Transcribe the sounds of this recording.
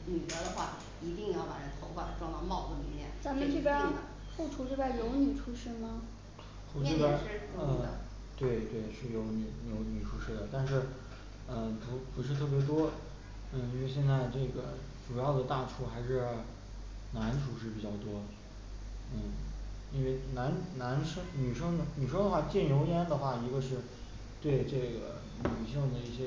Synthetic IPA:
ny˨˩ə˧˥d̪ə˧xwa˥˩ | i˧˥t̪i˥˧ŋjɑ˥˩ʊwa˧˥nʈ͡ʂʰə˧˥nt̪ʰo˧˥ʊfa˥˩˧ʈ͡ʂwɑ˥˧ŋt̪ɑ˥˧mɑ˥˩ʊkə˧˩lḭ˧˥˦mjɛ̰˥˩nt͡sa˧˥mə̃˧ʈ͡ʂe˥˩pja˥ | xu˥˩ʈ͡ʂʰu˥ʈ͡ʂe˥˩bja˥jo˧˥ʊny˨˩ʈ͡ʂʰu˥ʂɻ̩˥˩mɐ˩ | xu˥˧ʈ͡ʂe˥˧ja˥˧ə˥˧ | t̪we˥˧ɪt̪we˥˩ɪʂɻ̩˥˩jo˧˥ʊny˨˧˩njo˧˥ʊny˨˩ʈ͡ʂʰu˧˥ʂɻ̩˥˩d̪ə˩t̪a˥˧nʂɻ̩˥˧ | ə˧pu˧˥pu˧˥ʂ̬ɻ̩˥˧t̪ʰɤ˥˩pjɛ˧˥t̪̬wɔ˥ | n̩˥˩i˥nwe˥˧ɪɕjɛ˥˧nt͡sa˥˧ɪʈ͡ʂɤ˥˩ɡə˩ | ʈ͡ʂu˨˩jɑ˥˩ʊd̪ə˩t̪a˥˧ʈ͡ʂʰu˥˩xa˧˥ɪʂɻ̩˥˧ | na˧˥nʈ͡ʂʰu˧˥ʂɻ̩˥˩p̬i˨˩t͡ɕjɑ˥˩ʊt̪wɔ˥ | n̩˥˩i˥nwe˥˩ɪna˧˥nna˧˥nʂɤ˥ŋny˨˩ʂɤ˥ŋə˩ny˨˩ʂ̬ə˥ŋd̪ə˧˩xwa˥˧t͡ɕjɛ˥˩njo˧˥ʊjɛ˥nd̪ə˨xwa˥˩i˧˥ɡə˧ʂɻ̩˥˧ | t̪we˥˧ɪʈ͡ʂɤ˥˩ɡə̰˩ | ny˨˩ɕi˥˧ŋd̪ə˩i˥˩ɕjɛ˥

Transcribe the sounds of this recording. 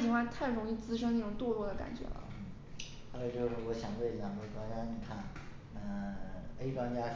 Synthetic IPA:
t͡ɕi˧˥ŋxwa˥˧nt̪ʰa˥˩ɪɻʊ˧˥ŋi˥˩t͡sɹ̩˥ʂɤ˥na˥˩ʈ͡ʂʊ˨˩ŋt̪wɔ˥˧lɔ˥˩d̪ə˩ka̰˨˩nt͡ɕɥɛ̰˧˥lə̰˦˥˩ | xa˧˥o˧˩t͡ɕo˥˧ʂɻ̩˥˩wɔ˧˥ɕjɑ˨˩ŋt̪we˥˩ɪ˨˩jɑ˨˩˥ʈ͡ʂwa˥nt͡ɕja˥ni˨˩kʰa˥˩n | ə˧e˥ɪʈ͡ʂwa˥nt͡ɕja˥

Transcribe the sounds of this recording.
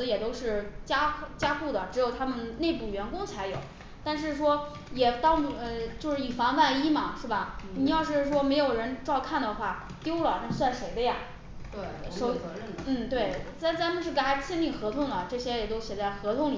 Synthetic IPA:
jɛ˨˩t̪o˥ʊʂɻ̩˥˩t͡ɕja˥t͡ɕja˥ku˥˩d̪ə˩ʈ͡ʂɻ̩˧˥jo˨˩ʊt̪ʰa˥mə˨nne˥˧ɪpu˥˩ɥɛ˧˥nkʊ˥ŋt͡sʰa˧˥ɪjo˨˩˦ʊ | t̪a˥˧nʂ̬ɻ̩˥˩˧ʂwɔ˥ | jɛ˨˩t̪ɑ˥ʊ˨˩˧t͡ɕjo˥˧ʊʂɻ̩˥˩i˨˩fɑ˧˥ŋwa˥˩ni˥mɐ˨˩ʂɻ̩˥˩bɐ˩ni˨˩jɑ˥˧ʊʂ̬ɻ̩˥˩ʂ̬wɔ˥me˧˥ɪjo˨˩ʊɻə˧˥nʈ͡ʂɑ˥˧ʊkʰa˥˩nd̪ə˩xwa˥˩ | t̪jo˥ʊlə˨˩na˥˧˩swa˥˩nʂe˧˥ɪd̪ə˧ja˩ | ʂo˧˥˧ | n̩˥˩t̪we˥˩ɪt͡sa˧˥t͡sa˧˥mə˧nʂɻ̩˥˩ka˥˩˥t͡ɕʰjɛ˥˧nli˥˩xɤ˧˥t̪ʰʊ˥˩ŋd̪ə˩ʈ͡ʂɤ˥˩ɕjɛ˥jɛ˨˩t̪o˥ʊɕjɛ˨˩t͡sa˥˩ɪxɤ˧˥t̪ʰʊ˧˥˧ŋli˨

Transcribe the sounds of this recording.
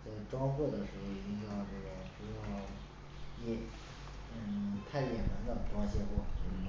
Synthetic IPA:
t͡sa˥˩ɪʈ͡ʂwɑ˥ŋxwɔ˥˩d̪ə˩ʂɻ̩˧˥xo˥˩ʊi˨˩t͡ɕi˥ŋʈ͡ʂɑ˥˧ʈ͡ʂo˥˩ɡɔ˥˩ʈ͡ʂu˧˥jɑ˥˩ʊ | jɛ˧˨˩ | t̪ʰa˥˩ɪjɛ˨˩mə˧˥nd̪ə˨ʈ͡ʂwɑ˥ŋɕjɛ˥˧xwɔ˥˩

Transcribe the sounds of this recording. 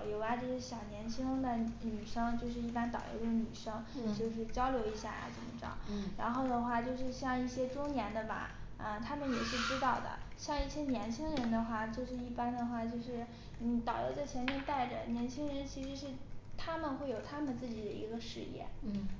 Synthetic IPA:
ʊjo˧˥ʊja˧t͡ɕjo˥˧ʂɻ̩˥˩ɕjɑ˨˩ʊnjɛ˧˥nt͡ɕʰi˥ŋd̪ə˨ny˨˩ʂɤ˥ŋt͡ɕjo˥˧ʊʂ̬ɻ̩˥˧i˥˩pa˥nt̪ɑ˨˩ʊjo̰˧˥ʊd̪ə˧ny˨˩ʂɤ˥ŋt͡ɕjo˥˧ʊʂ̬ɻ̩˥˩t͡ɕjɑ˥ʊljo˧˥ʊi˧˥ɕja̰˥˩ja̰˨˩t͡sə̰˨˩nmə̰˦ʈ͡ʂɑ̰˥˩ŋɻa̰˧˥nxo˥˩ʊd̪ə˩xwa˥˧t͡ɕjo˥˧ʊʂɻ̩˥˧ɕjɑ˥˧ŋi˥˩ɕjɛ˥ʈ͡ʂʊ˥ŋnjɛ˧˥nd̪ə˧ba̰˧˩ə˧t̪ʰa˥mə˨njɛ˨˩ʂɻ̩˥˩ʈ͡ʂɻ̩˥t̪ɑ˥˩ʊd̪ə̰˩ɕjɑ˥˧ŋi˥˩ɕjɛ˥njɛ˧˥nt͡ɕʰi˥ŋɻə˧˥nd̪ə˧xwa˥˩t͡ɕjo˥˧ʊʂɻ̩˥˧i˥˩pa˥nd̪ə˨xwa˥˩t͡ɕjo˥˧ʊʂɻ̩˥˩ | ni˧˥t̪ɑ˨˩ʊjo̰˧˥t͡sa˥˩ɪt͡ɕʰɛ˧˥nmjɛ˥˧nt̪a˥˩ɪʈ͡ʂə̰˨˩njɛ˧˥nt͡ɕʰi˥ŋɻə˧˥nt͡ɕʰi˧˥ʂɻ̩˧˥ʂɻ̩˥˩t̪ʰa˥mə˨nxwe˥˩ɪjo˨˩ʊt̪ʰa˥mə˨nt͡sɹ̩˥˩t͡ɕi˨˩d̪ə˦ḭ˧˥ɡə˧ʂɻ̩˥˧jɛ̰˥˩

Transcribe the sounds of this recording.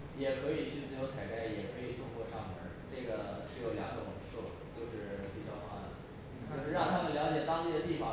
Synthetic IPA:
jɛ˨˩kʰɤ˧˥i˨˩t͡ɕʰy˥˧t͡sɹ̩˥˧jo˧˥ʊt͡sʰa˨˩ɪk̪a˥˩ɪjɛ˨˩kʰɤ˧˥i˨˩sʊ˥˧ŋkwɔ˥˧ʂɑ˥˩ŋmə̰˧˥ʈ͡ʂɤ˥˩ɡə˩ʂɻ̩˥˩jo˨˩ljɑ˧˥ŋʈ͡ʂo˨˩wə̰˨˩ŋʂwɔ̰˥˩t͡ɕjo˥˧ʊʂɻ̩˥˩o˧˥t͡ɕʰi˧˥t͡ɕjɑ̰˨˥˩ʊxwa̰˥d̪ə̰˨˩ | ɤ˧˥ʂɻ̩˥˩ɻɑ˥˩ŋt̪ʰa˥mə˨nljɑ˧˥ʊt͡ɕjɛ˨˩t̪ɑ˥ŋt̪i˥˩d̪ə˩t̪i˥˩fɑ˨˩

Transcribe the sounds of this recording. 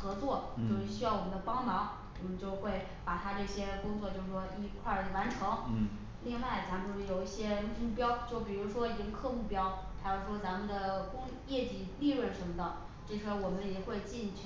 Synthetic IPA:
xɤ˧˥t͡swɔ˥˩t͡ɕjo˥˧ʊʂɻ̩˥˩ɕy˥jɑ˥˩ʊwɔ˨˩mə˦nd̪ə˧pɑ˥ŋmɑ˧˥ŋ | wɔ˨˩mə˦nt͡ɕjo˥˧ʊxwe˥˩ɪ | pa˨˩t̪ʰa˥ʈ͡ʂɤ˥˩ɕjɛ˥kʊ˥ŋt͡swɔ˥˧t͡ɕjo˥˧ʊʂɻ̩˧ʂwɔ˥i˧˥kʰwa˥˩ə˩wa˧˥nʈ͡ʂʰɤ˧˥ŋ˥ | li˥˧ŋwa˥˩ɪt͡sa˧˥mə˧jo˨˩ʊi˥˩ɕjɛ˥mu˥˩pjɑ˥ʊt͡ɕjo˥˩ʊp̬i˨˩ɻu˧˥ʂwɔ˥i˧˥ɡə˧kʰɤ˥˧mu˥˩pjɑ˥ʊxa˧˥jo˥˩ʊʂwɔ˥t͡sa˧˥mə˨nd̪ə˩kʊ˥ŋ | jɛ˥˩t͡ɕi˨˩li˥˧ɻwə˥˩ʂə˧˥nmə˧d̪ə˨ | ʈ͡ʂɤ˥˩t͡ɕʰɛ˥wɔ˨˩mə˦njɛ˨˩xwe˥˧ɪt͡ɕi˥˧nt͡ɕʰ

